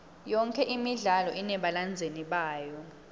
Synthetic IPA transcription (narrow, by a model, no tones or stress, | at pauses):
jɔŋkʰɛʔimiɮalɔʔinɛɓaland͡zʱeniɓaːjɔ